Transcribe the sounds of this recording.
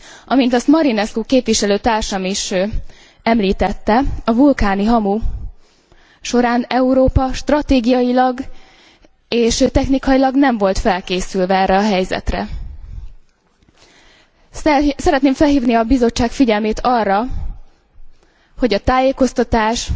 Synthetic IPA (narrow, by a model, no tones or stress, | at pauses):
ʔɒmint̪ɒst̪mɒɾinɛskukeːpʋiʃɛløːt̪aːrʃɒmiʃ | ɛmliːt̪ɛt̪ːɛɒvulkaːniɦɒmu | ʃo̞ɾaːnɛuɾoːpɒʃt̪rɒt̪eːɡijɒjilɒɡ | eːʃt̪ɛxnikɒjilɒɡnɛɱvo̞lt̪fɛlkeːsylvɛɛːrːɛɒɦɛjzɛ̰t̪rɛ̰ | sɛɾɛt̪neːɱfɛlɦiːvniɒbizo̞t͡ʃːaːkfiɟɛlmeːt̪ʰɒrːɒ | ho̞ɟɒt̪aːjeːko̞st̪ɒt̪aːʃ